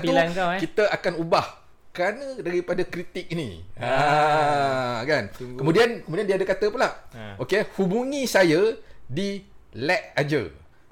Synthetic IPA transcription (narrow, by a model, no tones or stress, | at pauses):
t̪ukit̪əakanubah | kɾanə̃daɾipadakɾit̪ik̚inḭ | kankkəmũdiankəmũdiandiəadakat̪əpulaʔʔokehubuŋĩsajadilɛʔ̚ad͡ʒə̰